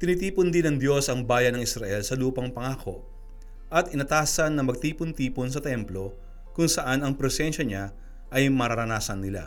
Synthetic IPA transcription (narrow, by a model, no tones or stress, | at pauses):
t̪ɪniːt̪iːpʊnd̪ɪnɐŋd̪jo̞sɐŋbaːjɐnɐŋɪsɾɐʔɛlsɐluːpɐŋpɐŋaːkʰo̞ʔ | ʔɐt̪ʔɪnɐt̪aːsɐnːɐmɐɡ̚t̪iːpʊnt̪iːpons̬ɐt̪ɛmplo̞ | kʊŋsɐʔanɐŋpɾɛsɛnʃɐɲa | ʔɐjmɐɾɐɾɐnaːsɐnːɪla̰